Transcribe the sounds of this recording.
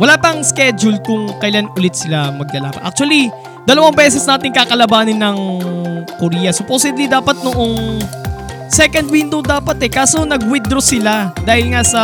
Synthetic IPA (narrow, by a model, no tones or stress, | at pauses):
wɐlaːpɐŋskɛd͡ʒʊlkʊŋkɐjɪlanʊlɪt̪̚sɪlamɐɡ̚lɐla̰ːpɐ̰ʔa̰k̚t͡ʃuɐli | d̪ɐlɐwaŋbɛːsɛsnaːt̪ɪŋkakɐlɐbaːnɪnːɐŋ | koɾiːjɐsoposiblid̪aːpɐt̪̚noʔo̞ŋ | sɛkɐnd̪̚wind̪owd̪aːpɐt̪ɛkaːso̞nɐɡwɪd̪ɾosɪlad̪aːhɪlŋasɐ